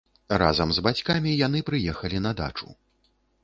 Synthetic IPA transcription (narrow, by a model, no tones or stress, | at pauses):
ra̰zɐmzbat͡sʲkamʲijanɨpɾɨjɛxɐlʲinɐd̪a̰t͡ʂṵ